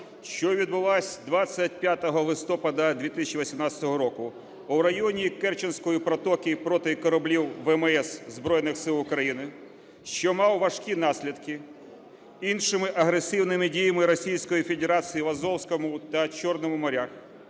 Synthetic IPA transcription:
ʃt͡ʃɔʋʲid̪̚bʊlˠasʲd̪ʋat͡ssʲːɐt̚ʲpʲjat̪ɔɦɔlˠɪst̪ɔpɐd̪ɐd̪ʲʋʲit̪ɪsʲɐt͡ʃːiʋisʲimnɑt͡sʲɐ̥t̪ɔɦɔɾɔkʊ | ʊwɾɐjɔnʲikɛrt͡ʃɪnsʲkɔjipɾɔt̪ɔkʲipɾɔt̪ɪkɔɾɐblʲiwʋɛmɛszbɾɔjnɪxsɪlˠʊkɾɐjinɪ | ʃt͡ʃɔmɑwʋɐʃkʲin̪ɑsʲlʲid̪kɪ | inʃɪmɪʔɐɦɾesɪwnɪmɪdʲijɐmɪɾɔsʲijsʲkɔjifʲed̪eɾɑt͡sʲijiʋɐzɔwsʲkɔmʊt̪ɐt͡ʃɔrnɔmʊmɔɾʲax

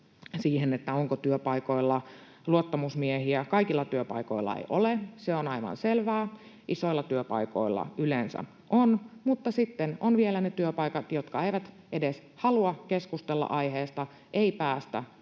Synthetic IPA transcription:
siːhenet̪ːæoŋkot̪yøpɑiko̞ilːɑ | luot̪ːɑmusmiehiækɑikilːɑt̪yøpɑiko̞̰ilˑːɑ̰ḛiʔoleseonɑiʋɑ̰nselʋæː | ʔiso̞ilːɑt̪yøpɑ̰iko̞̰ilːɑ̰ylensæ̰ | onmut̪ːɑsit̪ːenonʋielænet̪yøpɑikɑt̪jot̪kɑeiʋæt̪ | ʔedes | hɑluɑkeskust̪elːɑ̰ʔɑiɦeːst̪ɑ | ʔeipæːst̪æ̰

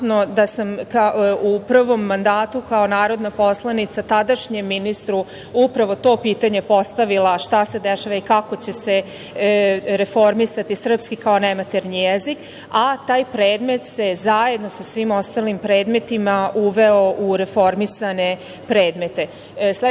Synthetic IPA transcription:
nod̪asamkaupr̩ʋo̞mːand̪aːt̪ukao̞naːɾo̞d̪napo̞slˠanit̪sat̪ad̪aʃɲemːinist̪ɾu | upɾaʋo̞t̪o̞ːpiːt̪aɲe̞po̞st̪aʋilaʃt̪ase̞d̪eʃaʋaikako̞t͡ɕe̞se | ɾe̞fo̞ɾmisat̪isr̩pskikao̞nemat̪eɾnijjezik | at̪aːjpɾe̞ːd̪me̞t̪se̞zaje̞d̪no̞sasʋimo̞st̪alimpɾe̞ːd̪me̞t̪imauʋe̞o̞ʔuɾe̞fo̞ɾmisane̞ | pɾeːd̪me̞t̪e̞ | sle

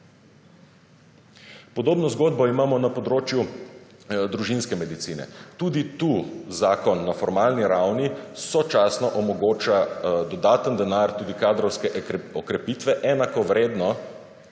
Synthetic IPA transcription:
pɔd̪oːbnɔzɡoːd̪̚bɔimaːmɔnapɔd̪ɾoːt͡ʃju | d̪ɾuʒinskɛmɛd̪it̪siːnɛ̰t̪uːd̪it̪uzaːkɔnːafɔɾmaːlniɾawnisɔt͡ʃasnɔʔɔmɔɡoːt͡ʃad̪ɔd̪aːt̪ənd̪ɛnaɾt̪uːd̪ikaːd̪ɾɔwskɛɔkɾɛpit̪ʋɛʔɛnakɔʋɾeːd̪nɔ

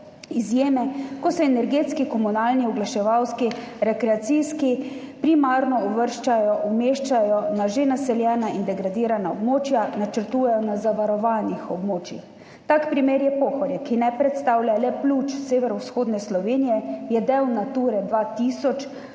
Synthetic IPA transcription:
izjeːmɛkɔsɛːnɛɾɡeːt̪skikɔmunaːlniɔɡlaʃɛʋawski | ɾɛkɾɛat̪siːski | pɾimaːɾnɔɔʋəɾʃt͡ʃajɔʔumeːʃt͡ʃajɔnaʒenasɛljɛːnaind̪ɛɡɾad̪iːɾanaɔbmoːt͡ʃjanat͡ʃəɾt̪uːjɛjɔnazaʋaɾɔʋaːnixɔbmoːt͡ʃjḭx | t̪aːkpɾimeːɾjɛpoːxɔɾjɛkinɛpɾɛt̪st̪aːwlʲjalɛpluːt͡ʃseːʋɛɾɔwsxoːd̪nɛslɔʋeːnijɛjɛd̪ewnat̪uːɾɛd̪ʋat̪iːsɔt͡ʃ

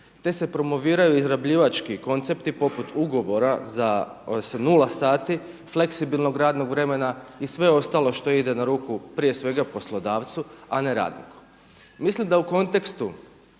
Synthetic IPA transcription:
t̪e̞se̞pɾo̞mo̞ʋiːɾajuizɾabʎiʋat͡ʃkiko̞nt̪se̞pt̪ipo̞put̪ʰuɡo̞ʋo̞ɾazasnulˠasaːt̪i | fle̞ksibilˠno̞ɡɾaːd̪no̞ɡʋɾe̞me̞naisʋe̞o̞st̪alˠo̞ʃt̪o̞id̪e̞naɾuːkupɾije̞sʋe̞ɡapo̞slo̞d̪aːʋt̪suane̞ɾa̰ːd̪nḭku̥ | mislimd̪auko̞nt̪e̞kst̪u

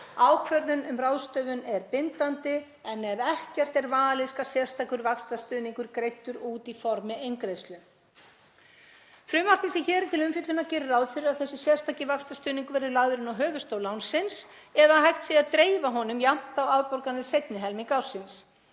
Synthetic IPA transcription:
awkʰvœɾðʏnʏmrawðst̪œːɣʏnɛɾpɪnt̪ant̪ɪ | ɛnɛɾɛhcɛr̥t̪ɛɾvaːlɪskaðsjɛr̥st̪aːkʏɾvakst̪ast̪ʏːðniŋkʏɾkɾejt̪ːʏɾuːt̪ifɔɾmɪejŋkɾeðst̪lʏ | fɾʏːmar̥k̪ɪsɪçɛːɾt̪ʰɪlʏmfʏt̪lʏnacɛːɾʏɾawðfɪɾɪɾaðθɛsːɪsjɛr̥st̪ʰacɪvakst̪ast̪ʏːðniŋkʏvɛɾðɪlaːɣðʏɾɪnɔwɦœːvʏst̪oːwlawnsɪns | ɛðaɦajht̪siaðt̪ɾeːjvaɦɔnʏmjam̥t̪awawðpɔɾkanːɪsejt̪nɪɦɛlmiŋkawsɪns

